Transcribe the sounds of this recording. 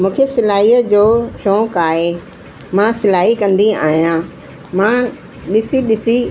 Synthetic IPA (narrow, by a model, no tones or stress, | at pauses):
mũːkʰesɪlaːiːəd͡ʑoːʃɔ̃ːkaːɦe | mãːsɪlaːɦikɐ̃nd̪ia̰ːɦijãː | mã | ɗɪsiɗɪsi